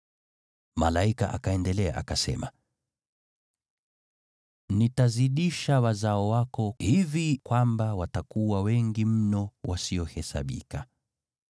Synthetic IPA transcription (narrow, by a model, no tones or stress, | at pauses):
malaika̰ʔa̰kaɛndɛlɛa̰ʔa̰kasɛ̰ma | nitaziɗiʃawazaɔwakɔhivikwambawatakuwawɛŋɡim̩nɔwʔasiɔhɛsa̰ɓḭka